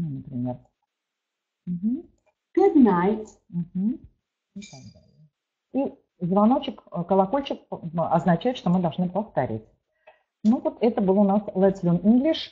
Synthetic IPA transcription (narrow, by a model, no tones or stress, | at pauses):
nunəpɾʲɪmʲe̞r | m̩ɦm̩ | k̪ɨznajt̪ | m̩ɦm̩ | it̪aɡ̚d̪alʲjə | i | zvɐno̞t͡ɕːɪkkəlˠɐkolʲt͡ɕɪkɐznɐt͡ɕæjɪt̪ʂt̪o̞mɨd̪ɐlˠʐnɨpəft̪ɐɾʲḭtʲ | nuvot̪ɛt̪əbɨlˠʊnaslˠɛt̪slʲoninɡlʲɪʂ